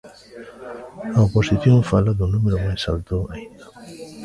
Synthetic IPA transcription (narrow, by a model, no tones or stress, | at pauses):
aoposiθjõɱfalaðʊnumeɾomajsa̰lt̪oaind̪a